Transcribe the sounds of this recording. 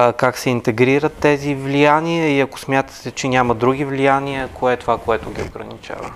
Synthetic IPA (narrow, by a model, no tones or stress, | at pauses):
kaksɛint̪ɛɡɾiɾət̪ːɛzivlijaniəiɐkʊ̥smʲjat̪ə̥t̪ɛt͡ʃɛnʲamɐd̪ɾuɡʲivlijaniɛkoɛt̪ovakoɛt̪ʊɡʲiʊɡɾə̰nit͡ʃa̰və̰